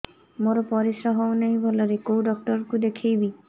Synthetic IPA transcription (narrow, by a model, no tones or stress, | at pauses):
moɾɔpɔɾisɾɔɦɔwnajbʱɔlɔɾekowɖɔk̚ʈɔɾkud̪ekʰejbi